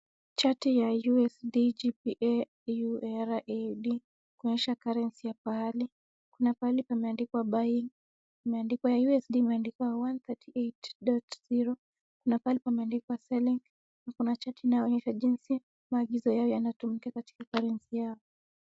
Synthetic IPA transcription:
t͡ʃatijajuɛsdid͡ʒipiʔɛ | juɛɾaʔɛɗi | kuɔɲɛʃakaɾɛnsijapahali | kunapalipamɛandikwaɓajiŋ | imɛandikwajajuɛsɗiːmɛandikwawant̪atʰietɗɔtz̥iɾɔ | kunapalipamɛandikwasɛliŋ | nakunat͡ʃatiːnajɔɔɲɛʃaʄinsi | maːɠizɔjaɔjanatumikakati̥kakaɾɛnsijaɔ

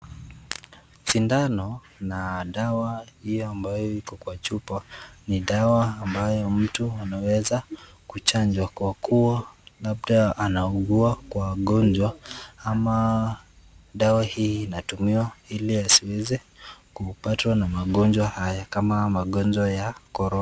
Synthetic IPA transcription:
ʃindanɔ | naɗawahijɔambajɔikɔkwat͡ʃupaniɗawaːmbajɔm̩tuanawɛza | kut͡ʃand͡ʒwakwakʰuwalabɗaanauɡuakwaɠɔnd͡ʒwaama | ɗawahiːnatumiwailiasiwɛzɛ | kupatwanamaɠɔnd͡ʒwahajakamamaɠɔnd͡ʒwajakɔɾɔn

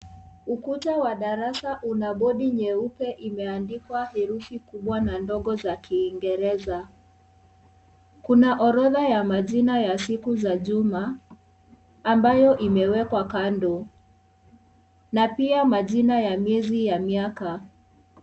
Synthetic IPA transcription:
ukutawaɗaɾasaʔunaɓɔɗiɲɛupɛʔimɛandikwahɛɾuθikuɓwanandɔɠɔzakiːŋɡɛɾɛza | kunaʔɔɾɔðajamaʄinajasikuzaʄuma | mbajɔʔimɛwɛkwakandɔ | napiamaʄinajamjɛzijamiaka

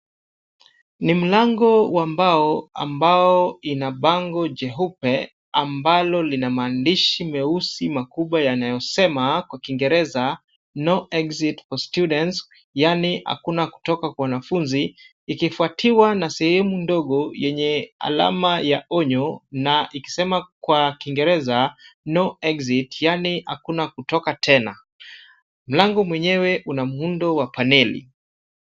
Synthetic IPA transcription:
nim̩laŋɡɔwambaɔa̰mbaɔinaɓaŋɡɔd͡ʒɛɦupɛ | ambalɔlinamaːndiʃimɛusimakuɓwajanajɔsɛmakwakiŋɡɛɾɛza | nɔʔɛkzitkɔstjuɗɛns | janiha̰kunaku̥tɔkakwawanafunziː | kifuatʰiwanasɛhɛmundɔɠɔjɛɲɛa̰la̰majaɔɲɔnaʔiki̥sɛmakwakiŋɡɛɾɛzanɔɛkzitjaniha̰kunakutɔkatʰɛna̰ | m̩laŋɡɔmwɛɲɛwɛʔunamuundɔwapanɛlḭ

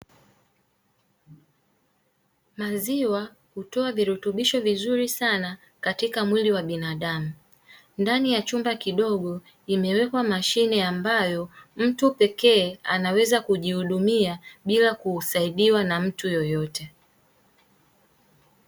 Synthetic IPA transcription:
maziwa | hutɔaviɾutuɓiʃɔvizuɾisana | katikamwiliwaɓinaɗamu | ndanijat͡ʃumbakiɗɔɠɔ | imɛwɛkwamaʃinɛambajɔm̩tupɛkɛːanawɛzakuʄihuɗumiaɓilakuːsaiɗiwanam̩tujɔjɔtɛ

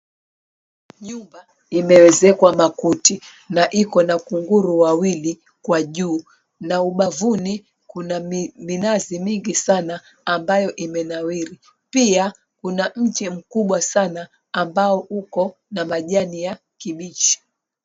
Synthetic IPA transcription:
ɲumba | imɛwɛzɛkwamakuti | naʔikɔnakuŋɡuɾuwawili | kwaʄuː | nauɓavuni | kunaminazimiŋɡisanaː | mbajɔʔimɛnawiɾi | pia | kunam̩t͡ʃim̩kuɓwasanaː | mbaɔukɔ | namaʄanija | kiɓit͡ʃi̥

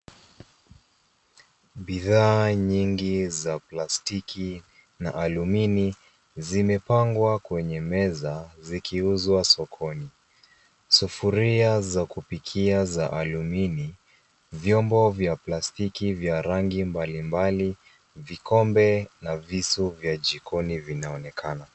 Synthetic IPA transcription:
ɓiðaːɲiŋɡizaplastiki | na̰ʔalumini | zimɛpaŋɡwakwɛɲɛmɛzazikiuzwasɔkʰɔni | sufuɾiazakupikʰiazaʔalumini | vjɔmbɔvjaplastikivjaɾaŋɡimbalimbali | vikɔmbɛnavisuvjad͡ʒikʰɔnivinaɔnɛkʰana

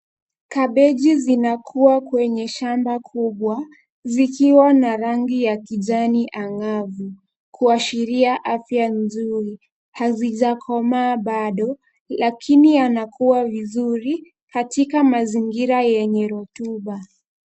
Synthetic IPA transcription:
kaɓɛʄizinakʰuakwɛɲɛʃambakʰuɓwa | zikiwanaɾaŋɡijakiʄaniʔaŋavu | kʰuaʃiɾiaʔafjanzuɾi | haziʄakʰɔmaːɓaɗɔ | lakʰinianakʰuwavizuɾi | katikamaziŋɡiɾajɛɲɛɾɔtuɓa

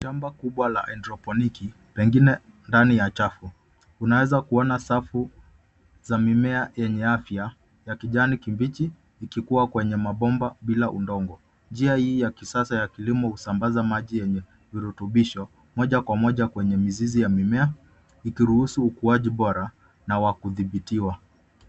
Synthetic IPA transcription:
ʃambakuɓwala̰ʔɛndɾɔpɔniki | pɛŋɡinɛ | ndanijat͡ʃafu | unawɛzakuɔnasafu | zamimɛajɛɲɛafja | jakiʄanikimbit͡ʃiː | kikuwakwɛɲɛmaɓɔmbaɓilaʔundɔŋɡɔ | nd͡ʒiahiːjakisasajakilimɔhusambazamaʄijɛɲɛ | viɾutuɓiʃɔ | mɔʄakwamɔʄakwɛɲɛmizizijamimɛa | ikiɾuhusuːkuaʄiɓɔɾa | nawakuðiɓitiwa

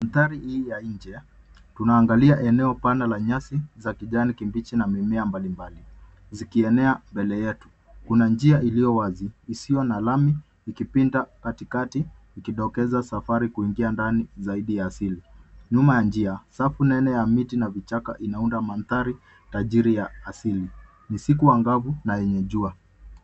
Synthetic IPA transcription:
anθaɾihiːjaɲd͡ʒɛ | tunaːŋɡaliaʔɛnɛɔpanalaɲasizakiʄanikimbit͡ʃinamimɛambalimbali | zikiɛnɛambɛlɛjɛtu̥ | kunand͡ʒiaʔilijɔwaziːsijɔnalamiː | kipindakatikatiː | kiɗɔkɛzasafaɾikuiŋɡiandanizaiɗijaːsiliɲumajand͡ʒiasafunɛnɛjamitinavit͡ʃaka̰ʔinaundamanθaɾi | taʄiɾijaːsili | nisikuwaŋɡavunajɛɲɛʄua

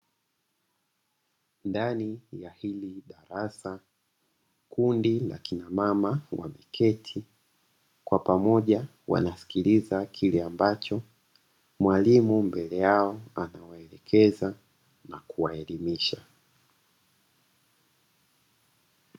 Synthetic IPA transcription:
ndanijahiliɗaɾasa | kundila̰kinamamawʔa̰mɛkʰɛtʰi | kwapamɔʄa | wa̰nasi̥kilizakʰilɛambat͡ʃɔ | mwalimumbɛlɛjaɔanawaɛlɛkʰɛza | nakuwaɛlimiʃa

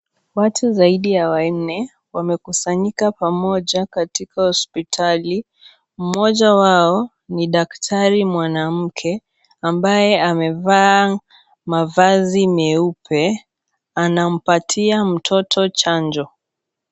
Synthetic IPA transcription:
watʰuzaiɗiawannɛ | wamɛkusaɲikapamɔʄakatikahɔspitʰali | m̩mɔʄawaɔ | niɗaktʰaɾimwanam̩kʰɛ | ambajɛamɛvaː | mavazimɛupʰɛ | anam̩patʰiam̩tʰɔtʰɔt͡ʃand͡ʒɔ

